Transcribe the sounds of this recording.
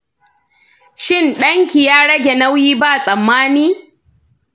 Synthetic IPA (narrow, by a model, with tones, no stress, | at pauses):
ʃɪ˦nɗɐ˦ŋkʲi˨jaː˦ɽɐ˦ɡʲe˨na˦wjiː˦ba˦˨sʼɐ˨mːaː˦niː˦